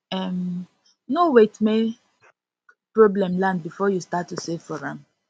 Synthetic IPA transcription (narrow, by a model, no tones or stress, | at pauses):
ɛm | nowetme | pɹoblɛ̃mlãnd̚bifɔjustatːusevfɔɹãm